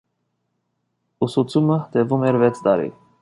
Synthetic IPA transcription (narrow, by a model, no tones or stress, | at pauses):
usut͡sʰumət̪ɛvumɛɾvɛt͡sʰd̪ɑɾḭ